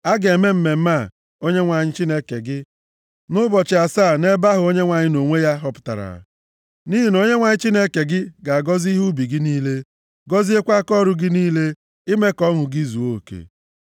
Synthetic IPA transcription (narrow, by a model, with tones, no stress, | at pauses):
a˦ɡe˨me˦m̩˦me˨m̩˦ma˦˨ | o˦ɲe˦ŋʷa˨ɲɪ˦t͡ʃi˦ne˦ke˨ɡɪ˦ | nʊ˦bɔ˨t͡ʃɪ˨a˨saː˦˨ne˦ba˦ɦʊ˨o˦ɲe˦ŋʷa˨ɲɪ˦no˨ŋʷe˦ja˦ɦɔ˦pʊ̥˦ta̰˨ɾa̰˨ | ni˦ɦi˨no˦ɲe˦ŋʷa˨ɲɪ˦t͡ʃi˦ne˦ke˨ɡɪ˦ɡa˨a˨ɡɔ˦zi˦ɦu˦bi˨ɡɪ˦niː˦le˦ | ɡɔ˦zi˦e˦kʷa˦kɔ˦˨ɾʊ˨ɡɪ˦niː˦le˦ | ɪ˦me˦kɔ˦ŋʊ˨ɡi˦zu˨o˦˨kḛ˨